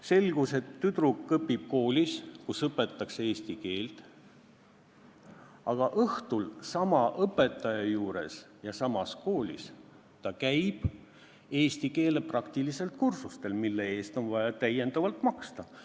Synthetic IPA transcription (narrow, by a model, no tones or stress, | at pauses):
se̞lɡ̥use̞t̪ːyt̪rukːɤpːˑib̥̚ko̞ːlʲiskusɤpːˑe̞t̪ˑːɑkseeːst̪ike̞ːlt̪ | ɑɡ̥ɑʔɤht̪ulsɑmɑʔɤpːˑe̞t̪ːˑɑjɑjuːɾe̞̰sjɑsɑmɑsko̞ːlʲḭs | t̪ɑkæjb̥ | e̞ːst̪ike̞ːle̞prɑkt̪ilise̞lt̪̚kursust̪e̞lmilːe̞e̞ːst̪o̞nvɑjɑt̪æje̞nd̪̥ɑvɑlt̪mɑkst̪ɑ